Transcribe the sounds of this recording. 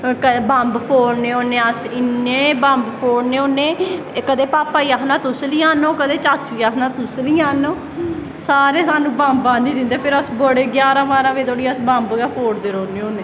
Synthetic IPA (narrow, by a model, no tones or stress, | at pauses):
kəbãmbpʰoːɽneːoːnẽːəsɪneːbãmbpʰoːɽneːoːnẽː | kəd̪eːpaːpaːiːaːsnãːt̪ʊsliːaːnoːkəd̪eːt͡ʃaːt͡ʃʰːuiːaːsnãːt̪ʊsliːaːnoː | saːɾeːsaːnũːbãmbãːnĩːd̪ɪnd̪eːpʰɪɾəsboːɽeːɡjaːɾãːmaːɾaːʋeːt̪oːɽiːəsbambɡaːpʰoːɽd̪eːɾoːneːoːneː